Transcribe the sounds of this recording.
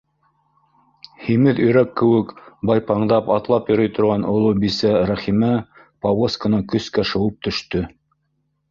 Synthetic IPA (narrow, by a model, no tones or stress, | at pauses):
himɘðɵ̆jɾækːɘ̆wɘkbɑjpɑɴd̪ɑpɑt̪lˠɑpjŏɾɤjt̪ŏɾʁɑnŏlˠubisæɾæχimæ | pɑwoskanɑkɵ̆skæʃŏwɤp̚t̪ɵ̆ʃt̪ɵ